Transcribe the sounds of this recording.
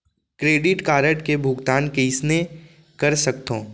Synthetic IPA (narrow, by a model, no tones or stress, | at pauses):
kɾeːɖɪʈkaːɾəʈkebʱʊɡt̪aːnkeɪsne | kɐɾsɐkt̪õː